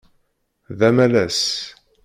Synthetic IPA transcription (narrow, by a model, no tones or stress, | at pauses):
ðæmælæs